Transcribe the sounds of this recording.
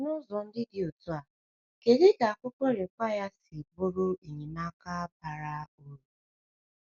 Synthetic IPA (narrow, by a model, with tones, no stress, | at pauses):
nʊ˦zɔ˨n̩˦dɪ˦dɪ˨o˨tu˦a˨ | ke˨de˦ɡa˨a˨kʷʊ˦kɔ˦ɾe˨kʷa˦ja˦sɪ˨bʊ˦ɾʊ˦i˨ɲi˨na˦ka˦ba˨ɾa˦o˦ɾu˨